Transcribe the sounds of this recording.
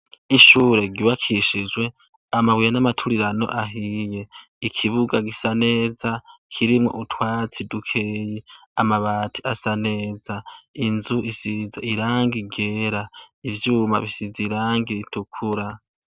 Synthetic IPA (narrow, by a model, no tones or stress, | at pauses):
iʃuːɾe̞ɡiβakʰiʃid͡ʒwe̞ | amawijanamatʰuɾiɾano̞̰ʔaɦiːje̞ | ikʰiβuɡaɡisane̞ːzakʰiɾimŋo̞̰ʔutʰwaːt͡sidukʰeːjiamaβaːtʰiasane̞ːzainzuʔisizeiɾaːŋɡiɡeːɾaivjuma̰βisiziɾaːŋɡiɾitukʰuɾa